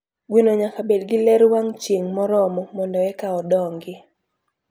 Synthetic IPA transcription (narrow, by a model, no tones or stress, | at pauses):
ɡwinoɲakabedɡɪlɛɾwaŋt͡ʃiŋmɔɾɔmɔmɔndɔɛkaɔdɔŋɡɪ